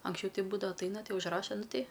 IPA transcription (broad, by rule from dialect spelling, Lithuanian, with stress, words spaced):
ɐŋksʲˈt͡ʃʲɛʊ ˈtʲɪ ˈbuːdɐʋɐ ɐtˈɐɪnɐ ˈtʲɪ ʊʒˈrɑːʃɐ ˈnʊ tʲɛɪ